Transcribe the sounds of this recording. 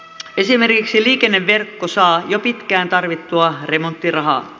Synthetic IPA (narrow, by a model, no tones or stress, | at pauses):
e̞sime̞rkiksiliːkenːeʋːe̞rkːosɑːjopit̪kæːnt̪ɑrʋit̪ːuɑre̞mont̪ːirɑɦɑ̰ː